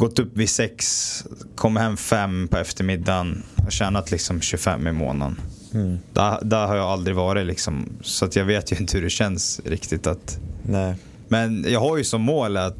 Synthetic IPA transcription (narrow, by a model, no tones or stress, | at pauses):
ɡ̥ɔt̪ːɵpːvɪsɛkskʰɔmːhɛmːfɛmːpʰɔɛft̪əɾmɪd̪ːanhɔ̰ɕæːnat̪lɪksɔmɕɵfɛ̰mːɪmo̰ːna̰n | d̪æ̰d̪æɾɦaɾjaald̪ɾɪvɑːɾɪlɪksɔmsɔat̪jɑːɡveːt̪jɵɪnt̪əhɵɾɛɕɛnsɾɪ̰kt̪ɪt̪at̪nɛ | mɛnjɑːɡɦaɾjɵsɔmːoːlat̪